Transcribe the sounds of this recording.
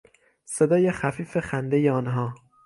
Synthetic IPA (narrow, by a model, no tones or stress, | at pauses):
sed̪ɒːjexæfiːfe̞xænd̪ejeɒːnɦɒː